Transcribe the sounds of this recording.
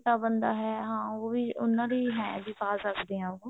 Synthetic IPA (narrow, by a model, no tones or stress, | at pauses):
t̪aːbənd̪aːɦɛːɦãːoːbiːʊnːãːɾiːɦɛ̃ːbiːpaːsəkd̪eːãːo